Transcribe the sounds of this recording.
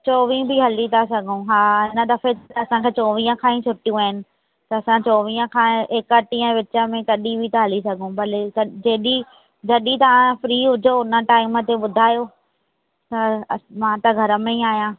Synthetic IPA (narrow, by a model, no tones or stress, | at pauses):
t͡ɕoːʋĩbʱɪɦɐlit̪asɐɡʱũɦaːɦɪnə̆d̪ɐfet̪t̪ɐɐsãkʰeːt͡ɕoːʋiːə̃kʰãːĩt͡ɕʰʊʈijũaːɪnɪ̆ | t̪ɐɐsãt͡ɕoːʋiːə̃kʰãːɪkɐʈĩə̃ʋɪt͡ɕəmẽkɐɗibʱit̪ɐɦɐlisɐɡʱũbɐlkɐd͡ʑeːɗi | d͡ʑɐɗit̪ɐʋãfɾiːɦʊd͡ʑʱoʊnə̆ʈaːɪmət̪eɓʊd̪ʱaːjoː | t̪ɐmãːt̪ɐɡʱɐɾə̆mẽĩaːɦijãː